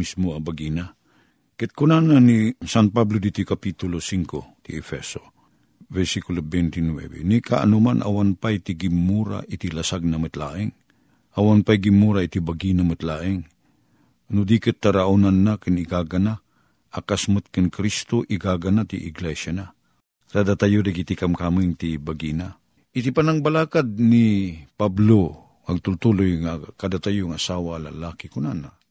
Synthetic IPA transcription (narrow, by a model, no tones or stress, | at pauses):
mismoɐbaɡina | kɪt̪̚kʊnananisanpablod̪it̪ikɐpit̪ʊlosiŋkot̪iɛfɛso | vɛɾsikulobɛnt̪inwɛ̰vɛ̰nika̰ʔɐ̰numanʔa̰wanpajt̪iɡɪmːuːɾa̰ʔɪt̪ilɐsaɡ̚namɨt̪la̰ːʔɪŋ | ʔɐwanpajɡimːuɾait̪ibaɡinamɨt̪laːʔɪŋ | nʊd̪ikɨt̪ːaɾaʔunanːakɨnɪkaːɡana | akasmɨt̪̚kɨnkɾist̪oʔiɡaɡanat̪ḭʔɪɡlɛʃana | ɾad̪at̪ajodaɡit̪ikamkamiŋt̪ibaɡina | ʔɪt̪ipanaŋbalaːkad̪̚nipablo | ɐɡ̚t̪ʊlt̪ulojŋakad̪at̪ajʊŋasaːwalalaːkikʊnana